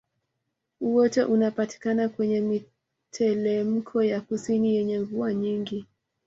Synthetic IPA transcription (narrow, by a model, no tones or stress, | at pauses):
uwɔtɛʔunapati̥kanakwɛɲɛmi | tʰɛlɛm̩kʰɔjakusinijɛɲɛŋvuaɲiŋɡi